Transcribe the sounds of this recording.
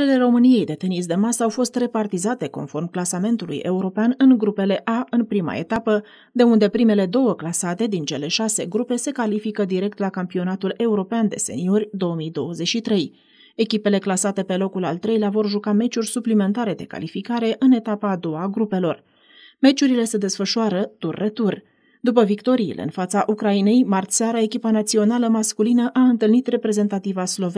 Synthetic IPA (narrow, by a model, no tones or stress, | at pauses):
ɾele̞ro̞mɨnije̞jd̪e̞t̪enisd̪e̞masəawfo̞st̪re̞part̪izat̪e̞ko̞̰nfo̞rmklasame̞nt̪ulṵje̞uɾo̞peanɨŋɡɾupe̞le̞ʔaɨnpɾima̰e̞t̪apə | d̪e̞und̪e̞pɾime̞le̞d̪o̞wəklasat̪e̞d̪int͡ʃe̞le̞ʃase̞̰ɡɾupe̞se̞kalifikəd̪iɾe̞k̚t̪lakampio̞nat̪ule̞uɾo̞peand̪e̞̰se̞̰nio̞rʲd̪o̞əmijd̪o̞wəze̞t͡ʃʃit̪ɾe̞j | e̞kʲipe̞le̞klasat̪e̞pe̞lo̞kula̰lt̪ɾe̞jleavo̞rʒukame̞t͡ʃurʲsuplime̞nt̪aɾe̞d̪e̞ka̰lifikaɾe̞ʔɨne̞t̪apaːd̪o̞waɡɾupe̞lo̞r | me̞t͡ʃuɾile̞se̞d̪e̞sfəʃuaɾət̪urʲːe̞t̪urʲ | d̪upəvikt̪o̞ɾḭːlʔḛɨ̰nfat̪saʔukɾaine̞jmart̪saɾae̞kʲipanat̪sio̞naləmaskulinəʔaɨnt̪ɨlnit̪re̞pɾe̞ze̞nt̪at̪ivaslo̞ve